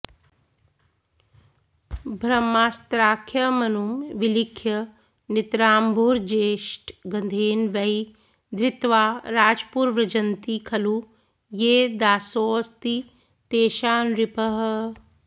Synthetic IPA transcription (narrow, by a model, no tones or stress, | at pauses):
bʱɾɐmːaːst̪ɾaːkʰjɐmɐnumʋilikʰjɐ | nɪt̪ɾaːmbʱuːɾd͡ʒeːʃʈɡɐnd̪ʱeːnʋɐi | d̪ɾɪt̪ʋaːɾaːd͡ʒpuːɾʋɾɐd͡ʒɐnt̪ikʰɐlu | jeːd̪aːsoːst̪i | t̪eːʃaːnɾɪpəɦ̆